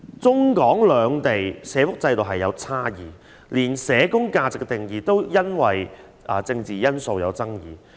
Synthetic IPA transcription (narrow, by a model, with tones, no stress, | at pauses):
t͡sʊ˥ŋkɔː˨˥ŋlœː˨˧ŋt̪e˨jsɛː˨˧fʊ˥k̚t͡sɐ˧jt̪o˨wɦɐ˨jːɐ˨˧wt͡sʰaː˥jiː˨ | liː˨˩nsɛː˨˧kʊ˥ŋkaː˧t͡sɪ˨kːɛ˧t̪ɪ˨ŋjiː˨˩t̪o˥wjɐ˥nwɐ˨j | ɐː˨˩t͡sɪ˧ŋt͡siː˨jɐ˥nso˧wjɐ̰˨˧wt͡sɐ˥ŋjiː˨˩